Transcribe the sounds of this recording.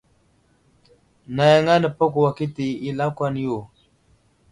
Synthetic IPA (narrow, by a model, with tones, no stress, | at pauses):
na˨ja˨ŋa˦nə˨pa˦ku˨wa˨ki˦ti˨i˦la˦kʷa˦n˦jo˨